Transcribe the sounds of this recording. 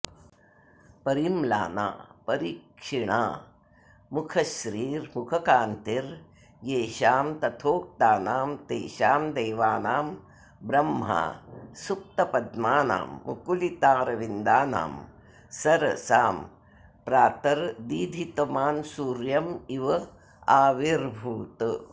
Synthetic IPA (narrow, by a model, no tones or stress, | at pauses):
pɐɾimla̰ːna̰ːpɐɾiːkʂiɳa̰ː | mukʰɐʃɾiːɾmukʰɐkaːnt̪iɾ | jeːʃaːmt̪ɐt̪ʰoːk̚t̪aːnaːmt̪eːʃaːmd̪eːʋaːnaːm | bɾɐmɦa̰ːsuk̚t̪ɐpɐd̪maːna̰ːmːukulit̪aːɾɐʋind̪aːna̰ːm | sɐɾɐsaːm | pɾaːt̪ɐɾd̪iːd̪ʱit̪ɐmaːnsuːɾjɐmiʋɐ | aːʋiɾbʱuːt̪